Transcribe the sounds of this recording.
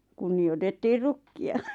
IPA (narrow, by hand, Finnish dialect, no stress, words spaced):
kunːiotetːiːr rukːiɑ